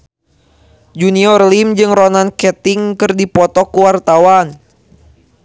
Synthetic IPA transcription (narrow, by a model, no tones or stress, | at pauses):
d͡ʒuniɔrlimd͡ʒɨŋrɔnankɛt̪iŋkɨrdipɔt̪ɔkuwart̪awan